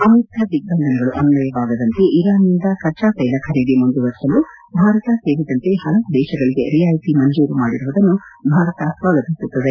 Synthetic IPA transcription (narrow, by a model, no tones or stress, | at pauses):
ɐmɐɾikɐd̪iɡ̚ɐnd̪ɐnɐɡɐɭuʔɐnulɐjɐʋaːɡɐd̪ɐnt̪e̞ʔiɾaːnind̪ɐkɐɾt͡ʃaːsɐjlɐkʰɐɾid̪imund̪uʋɐɾʂɐlu | bʱaːɾɐt̪ɐseːʋid̪ɐnt̪e̞hɐlɐʋud̪ɛːʃɐɡɐɭiɡe̞ɾijaːjsimɐɲd͡ʒuːɾumaːɽiɾuʋɐd̪ɐnːubʱaːɾɐt̪ɐsʋaːɡɐt̪isut̪ːɐd̪e